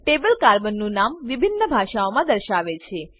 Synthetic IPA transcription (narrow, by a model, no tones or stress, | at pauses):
ʈebəlkaɾbənːũnamʋɪbʱinːəbʱaʃaomãd̪əɾʃaʋet͡ʃʰe